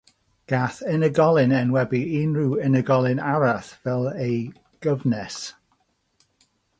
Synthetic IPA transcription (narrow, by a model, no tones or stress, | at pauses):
ɡ̥aθɛnəɡɔlˠɪnɛnwɛbiinɹuɪnəɡɔlˠɪnaɾaθvɛlˠej | ɡ̥əvnɛs